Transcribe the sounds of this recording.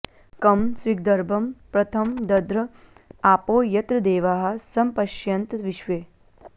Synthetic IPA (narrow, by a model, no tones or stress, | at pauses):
kɐmswiɡ̚d̪ɐɾbʱɐmpɾɐt̪ʰɐmd̪ɐd̪ɾɐ | aːpoːjɐt̪ɾɐd̪eːʋaːɦɐ̆sɐmpɐʃjɐnt̪ʋiʃʋeː